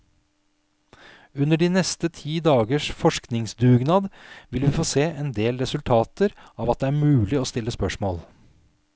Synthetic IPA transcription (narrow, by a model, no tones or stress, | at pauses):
ʉnːəɖiːnɛst̪ət̪ʰiːd̪ɑːɡəʂfɔʂknɪŋsd̪ʉːɡnɑːd̪ʋɪlʋiːfoːseːʔɛːnd̪eːlɾɛsʉlt̪ʰɑːt̪əɾɑːʋɑt̪̚d̪ɛːæːɾmʉːlɪoːst̪ɪlːəspœʂmoːl